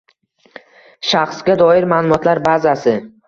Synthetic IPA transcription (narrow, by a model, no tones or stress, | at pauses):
ʃaχsɡʲad̪ɒɪɾmaːlˠʊmɒt̪ʰlaɾbazasɪ